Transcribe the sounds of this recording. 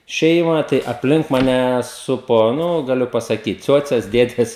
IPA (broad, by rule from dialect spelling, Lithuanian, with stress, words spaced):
ˈʃʲɛɪmɐ tɐɪ ɐpʲˈlʲɪŋk mɐˈnʲɛ ˈsʊpoː ˈnʊ ɡɐˈlʲʊ pɐsɐˈkʲiːt ˈt͡sʲuɔt͡sʲɛs ˈdʲeːdʲɛs